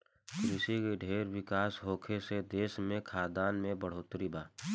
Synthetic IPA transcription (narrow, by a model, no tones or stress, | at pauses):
kɾɪsikeɖʱeːɾwɪkaːsɦoːkʰesed̪eːsmẽkʰaːd̪aːnmẽbəɽ̤oːt̪ɾibaː